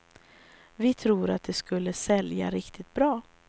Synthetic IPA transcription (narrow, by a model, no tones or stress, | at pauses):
vɪt̪ʰɾuːɾat̪̚d̪ɛskɵlːəsɛlja̰ɾɪkt̪ʰɪt̪̚bɾɑː